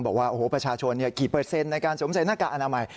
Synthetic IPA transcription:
ŋbɔː˨˩k̚waː˥˩ʔoː˧hoː˨˩˦pɾa˧t͡ɕʰaː˧t͡ɕʰo˧nːi˥˩ɐkiː˨˩pɾɤː˧t̪̚se˧nːa˧jkaː˧nso˩˦msa˨˦jnaː˥˩kaː˧ʔnaː˧ma˧j

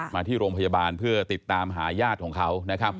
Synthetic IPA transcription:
maː˧iː˥˩ɾoː˧ŋpʰa˧ja˧baː˧npʰɯ˥˩ɐt̪i˨˩t̪ːaː˧mɦaː˩˦jaː˥˩t̪̚kʰɔː˩˦ŋkʰa˦˥wna˦˥kʰa˦˥p̚

